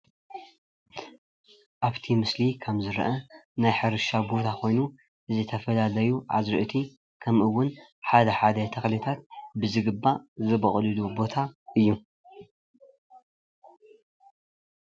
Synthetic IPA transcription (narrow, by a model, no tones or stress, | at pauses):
ʔaβt̪ʰimɨslikʰɐmzɨɾʔɐnajħɨɾɨʃabo̞t̪ʰakʰo̞jnu | ʔɨzɨt̪ʰɐfɐlalɐjuʕa̰zɾɨʔt̪ʰi | kʰɐmʔɨwːʊnħad̪ɐħad̪ɐt̪ʰɐxlit̪ʰat̪̚bɨzɨɡɨbːazɨbɐkʼlɨlubo̞t̪ʰaʔɨjːu